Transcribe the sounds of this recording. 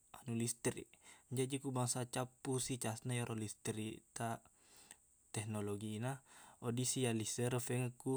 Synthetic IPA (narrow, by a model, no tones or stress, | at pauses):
anulist̪ɾḭɲd͡ʒad͡ʒikubaŋsat͡ʃapːusit͡ʃasnajaɾʔolist̪ɾit̪a | t̪ɛhnoloɡiːnaodisijalisəɾəfɛŋəku